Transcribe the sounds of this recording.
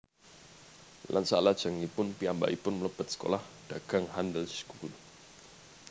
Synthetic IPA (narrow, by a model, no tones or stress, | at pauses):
lʔa̰nsalḁd͡ʒaŋipʊnpiamba̰ʔipʊnmələpət̪̚sə̥ko̰lahd̥aɡaŋɦandəlskul